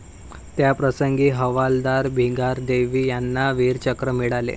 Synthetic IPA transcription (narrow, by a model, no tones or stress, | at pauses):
t̪japɾəsəŋɡiːɦəʋald̪aɾbʱiɡaɾd̪eʋiːjanːaʋiːɾt͡ɕəkɾəmiɭalḛ